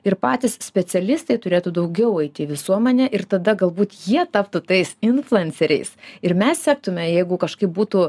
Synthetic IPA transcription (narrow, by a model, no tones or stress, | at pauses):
ɪrpɑːt̪ʲɪssʲpʲɛt͡s̪ʲɛlʲɪst̪ɐɪt̪ʊɾʲeːt̪ud̪ɐʊɡʲɛʊɛɪt̪ʲɪʋʲɪsuɔmʲɛnʲɛʔɪrt̪ɐd̪ɐɡɐlˠbuːt̪jiɛt̪ɑːpt̪ʊt̪ɐɪsɪnflˠʊɛnʲsʲɛɾʲɛ̰ɪsɪɾmʲɛssʲæːk̚t̪ʊmʲɛjɛɪɡʊkɐʃkɐɪp̚buːt̪uː